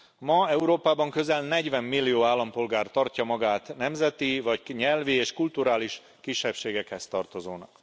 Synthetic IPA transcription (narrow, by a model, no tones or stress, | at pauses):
mɒɛuɾoːpaːbɒŋkø̞zɛlnɛɟʋɛmːilːijoːaːlːɒmpo̞lɡaːrt̪ɒrcɒmɒɡaːt̪nɛmzɛt̪ivɒcɲɛlvieːʃkult̪uɾaːliʃ | kiʃːɛpʃeːɡɛkhɛst̪ɒrt̪o̞zoːnɒ̰k